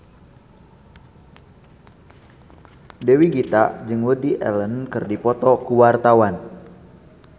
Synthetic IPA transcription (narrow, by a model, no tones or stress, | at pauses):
dewiɡit̪a̰ʔd͡ʒɨŋwədiʔɛ̰lənkɨrdipɔt̪ɔkuwart̪awan